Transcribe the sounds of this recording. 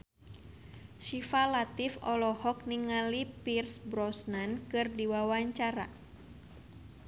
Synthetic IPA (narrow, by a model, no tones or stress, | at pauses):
ʃifalat̪ifɔlɔhɔk̚niŋalipirsbɾɔsnankɨrdiwawaɲt͡ʃaɾa̰